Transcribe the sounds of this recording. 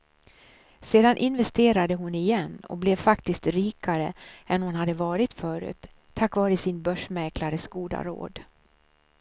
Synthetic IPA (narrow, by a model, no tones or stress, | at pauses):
seːd̪anʔɪnvɛst̪eːɾad̪əɦʊnɪjɛnːɔ̰k̚blɛvfakt̪ɪskt̪ɾiːkʰaɾə̰ɛnhʊnɦad̪ːəvɑːɾɪt̪fœːɾʉ̰ːt̪ʰː | akːvɑːɾəsɪnbœʂmɛklaɾəsɡuːd̪a̰ɾo̰ːd̪